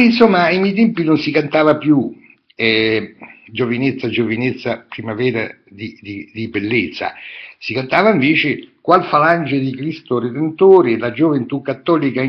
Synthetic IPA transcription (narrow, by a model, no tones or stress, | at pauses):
insomːaimɛjt̪̬ɛmpinonsikant̪aːvapju | ɛ | d͡ʒovinet̪sːad͡ʒovinet̪sːapɾimavɛːɾa | d̪id̪id̪ibelːet̪sːa̰sikant̪aːvaiɱveːt͡ʃekwalfaland͡ʒed̪ikɾist̪ored̪ent̪oːɾɪlad͡ʒovent̪ukːat̪ːɔːlika